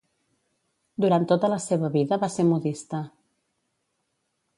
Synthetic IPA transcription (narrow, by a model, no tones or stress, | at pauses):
d̪uɾant̪ːot̪ələseβəβiðəβaseɾmuðist̪ə